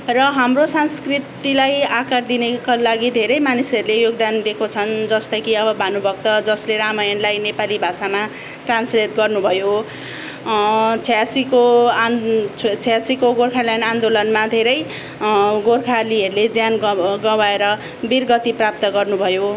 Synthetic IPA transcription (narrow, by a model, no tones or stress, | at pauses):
rʌɦamrosanskrit̪ilajakard̪inekalaɡid̪ʱeɾʌjmanisʌɾulejoɡ̚d̪and̪ekʰot͡sʰʌnd͡zʌst̪ʌkiʌbʌbʱanubʱʌk̚t̪ʌd͡zʌsleɾamajʌnlajnepalibʱasama | ʈranslet̪ɡʌrnubʱʌjo | t͡sʰjasiko | t͡sʰasikoɡorkʰalanand̪olʌnmad̪ʱeɾʌj | ɡorkʰaliɦʌɾuled͡zjanɡʌwaeɾʌ | birɡʌt̪iprap̚t̪ʌɡʌrnubʱʌjo